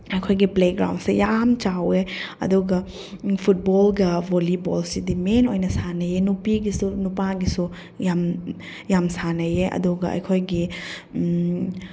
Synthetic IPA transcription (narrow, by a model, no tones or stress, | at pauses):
ɐjkʰojɡipleɡɾa̰wndsijamt͡ʃaweɐ̰duɡɐ | pʰut̚bolɡɐbʱolibolsidimenojnɐsanɐjenupiɡisunupaɡisu | jam | jamsanɐjeʔɐ̰duɡɐɐ̰jkʰojɡi